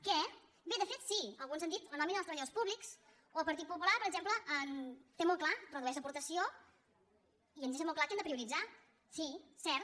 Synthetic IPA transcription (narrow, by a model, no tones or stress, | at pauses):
kɛ | beðəfet̪siəlˠɣunzand̪it̪lənɔminəəlsəβəʎaðospuβliks | oəlˠpəɾt̪it̪pupulapəɾəɡzempləʔənt̪emɔlˠklarəðuɛʃləpuɾt̪əsio | iənzeʃ̬əmɔlˠklakand̪əpɾiuɾid͡za | sisɛɾt̪